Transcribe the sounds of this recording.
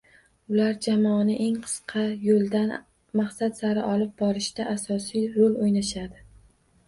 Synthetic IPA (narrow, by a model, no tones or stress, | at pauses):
ʊlaɾd͡ʒamɒnɪʔe̞ŋqʰɨ̥sqʰɑjolˠd̪an | maχsat̪saɾɪʔɒlˠɪp̚bɒɾɪʃt̪aʔasɒsijɾolojnaʃad̪ɪ